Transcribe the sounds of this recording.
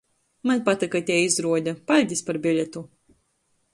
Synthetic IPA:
manʲpat̪ikat̪ʲɛizɾuɔd̪ʲapalʲd̪ʲispaɾbʲilʲɛt̪u

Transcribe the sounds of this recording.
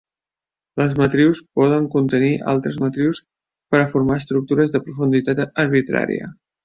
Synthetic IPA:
ləzmət̪ɾiwspɔð̞əŋkunt̪əniʔa̰lˠt̪ɾəzmət̪ɾiws | pəɾəfuɾmaəst̪ɾuk̚t̪uɾəzðəpɾufund̪it̪at̪əɾβ̞it̪ɾa̰ɾḭə̰

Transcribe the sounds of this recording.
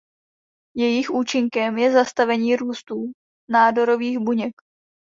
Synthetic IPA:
jɛjɪxʔuːt͡ʃɪŋkɛmjɛzast̪avɛɲiːɾuːst̪uː | naːdo̞ɾo̞viːɣbuɲɛk

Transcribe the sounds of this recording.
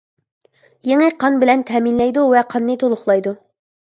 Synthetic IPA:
jeŋɪqʰɑnbɪlɛnt̪ʰɛːminlɛjd̪uvɛqʰɑnːɨt̪ʰolˠʊχlˠɑjd̪u

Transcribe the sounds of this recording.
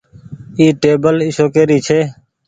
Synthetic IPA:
iːʈeːbəlɪsoːkeːɾiːt͡ʃʰeː

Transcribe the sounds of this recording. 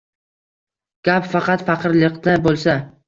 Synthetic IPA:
ɡ̥ʲapfɑqɑt̪fɑqɨɾlˠɨqt̪abolˠsa

